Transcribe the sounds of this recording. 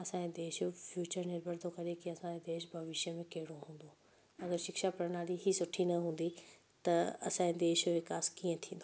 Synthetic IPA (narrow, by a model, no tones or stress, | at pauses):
ɐsãed̪eːʃfjuːt͡ɕəɾnɪɾbʱəɾd̪ʰʱokɐɾekiɐsãːed̪eːʃbʱɐʋɪʃjəmẽkɐɦɪɽoɦũːn̆d̪o | ɐɡəɾʃɪkʃapɐɾənaːliɦisʊʈʰinɐɦũːn̆d̪i | t̪ɐɐ̰sãːed̪eːʃʋɪkaːskiːə̃t̪ʰĩːnd̪o